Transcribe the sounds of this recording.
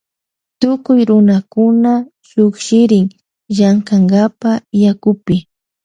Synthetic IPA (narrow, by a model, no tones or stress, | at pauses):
t̪ʊkʊjɾʊnakʊna | ʃʊkʃɪɾɪŋ | ʒaŋkaŋɡapajakʊpɪ